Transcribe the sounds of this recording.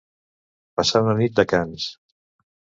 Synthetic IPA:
pasanənit̪̚d̪əkans

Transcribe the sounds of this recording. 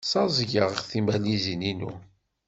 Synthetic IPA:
sɑzˤʝəʁəχθimælizininṵ

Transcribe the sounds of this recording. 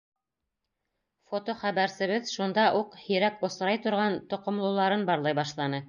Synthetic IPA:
fot̪oχæβæɾsɘ̆βɘðʃund̪ɑʔuqhĭɾækŏsɾɑjt̪ŏɾʁɑnt̪ŏqŏmlˠɤ̆wlˠɑɾɤnbɑɾlˠɑjbɑʃlˠɑnɤ

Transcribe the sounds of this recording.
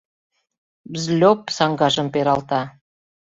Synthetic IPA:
bzlʲopsɑŋɡɑʒə̆mpeɾɑlt̪ɑ

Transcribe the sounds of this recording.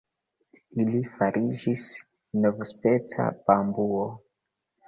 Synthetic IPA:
ilifaɾʔid͡ʒis | novospet͡sa̰pambuo

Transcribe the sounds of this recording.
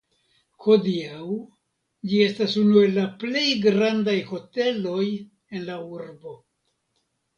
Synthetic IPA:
ho̞diaw | d͡ʒie̞stasunue̞lːaple̞jɡɾandajho̞te̞lo̞j | e̞nlauɾbo̞

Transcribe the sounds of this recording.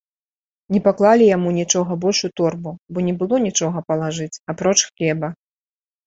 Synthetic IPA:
nʲɛpaklˠalʲijamunʲit͡ʂɔɣɐbɔlʲʂut̪ɔrbubɔnʲɛbɨlˠɔnʲit͡ʂɔɣɐpɐlˠaʐɨt͡sʲapɾɔt͡ʂxlʲɛbɐ

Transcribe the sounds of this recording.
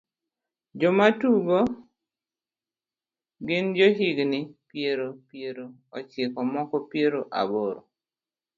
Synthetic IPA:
d͡ʒɔmatuɡo | ɡɪnd͡ʒoɦiɡnɪpjeɾopjeɾo | ɔt͡ʃɪkɔmɔkɔpjeɾoʔa̰boɾo̰

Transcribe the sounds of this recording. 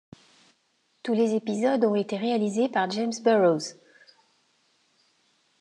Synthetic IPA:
t̪ulezepizɔd̪ɔ̃et̪eʁealizepaʁd͡ʒemsbøʁoz

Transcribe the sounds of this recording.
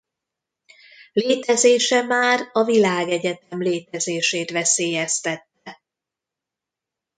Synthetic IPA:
leːt̪ɛzeːʃɛmaːɾɒvilaːɡɛɟɛt̪ɛmleːt̪ɛzeːʃeːt̪ʋɛseːjɛst̪ɛt̪ːɛ

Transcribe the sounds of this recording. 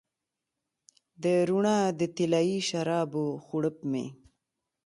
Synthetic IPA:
d̪əɾuɳad̪ət̪ilaːiʃaɾɑːboxuɽəp̚mḛ

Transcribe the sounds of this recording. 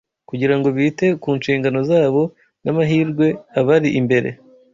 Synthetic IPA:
kuɟiɾaŋɡo̞βite̞kuːnʃiːŋɡano̞zaːβo̞ | namaɦiːɾɡwe̞aβaɾiʔimbe̞ɾḛ

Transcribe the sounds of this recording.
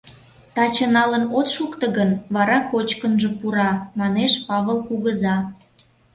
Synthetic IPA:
t̪ɑt͡ɕə̆nɑlənot̪ʃukt̪ə̆ɣənβɑɾɑkot͡ɕkənʒə̆puɾɑmɑneʃpɑβəlkuɣəzɑ

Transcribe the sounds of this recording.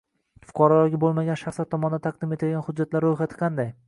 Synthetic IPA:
fʊ̥qʰɑɾɒlɒɡʲɪbolˠmaɡʲanʃaχslaɾt̪ʰɒmɒnd̪at̪ʰɑq̚d̪ɪme̞t̪ʰalɡʲanχʊd͡ʒːat̪laɾɾojχɑt̪ʰɪ̥qʰɑnd̪aj

